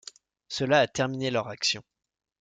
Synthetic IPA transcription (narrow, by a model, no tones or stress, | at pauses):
səlaːt̪ɛʁminelœʁaksjɔ̰̃